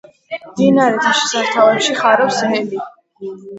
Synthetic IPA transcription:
md̪inaɾɛt̪ʰaʃɛsaɾt̪ʰavɛpʃiχaɾɛpsɦɛli

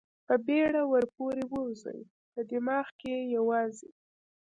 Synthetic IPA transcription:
pəbeɽawəɾpoɾewəwzə̰j | pəd̪ɪmɑxkejawɑzḛ

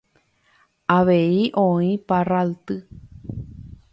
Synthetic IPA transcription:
aʋeiʔõĩparalt̪ɨ

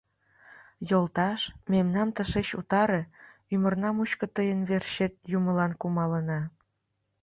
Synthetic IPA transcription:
jolt̪ɑʃmemnɑmt̪əʃeɕut̪ɑɾe | ymərnɑmuɕkə̆t̪əjənβerʃet̪̚juməlɑnkumɑlənɑ

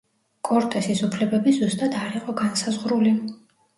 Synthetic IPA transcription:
kʼɔɾt̪ʼɛsisupʰlɛbɛbizust̪ʼad̪aɾiqʼɔɡansazʁɾuli

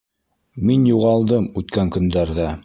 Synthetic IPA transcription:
minjuʁɑlˠd̪ɤmʉt̪kæŋkɵ̆nd̪æɾðæ

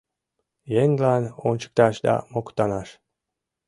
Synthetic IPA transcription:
jeŋlanont͡ɕə̥k̚t̪ɑʃd̪ɑ̰mokt̪ɑnɑʃ

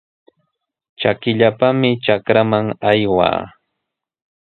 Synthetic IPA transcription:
t͡ʃakɪʎapamɪt͡ʃakɾamaŋajwa̰ː

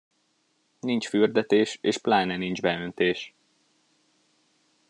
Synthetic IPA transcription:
nint͡ʃfyrd̪ɛt̪eːʃeːʃplaːnɛnind͡ʒbɛø̞nt̪eːʃ

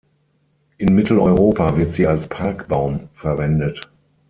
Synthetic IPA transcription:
ʔɪnmɪtʰl̩ɔʏʁoːpavɪɐtz̥iːalspʰaɐkb̥aʊmfɛɐvɛndət

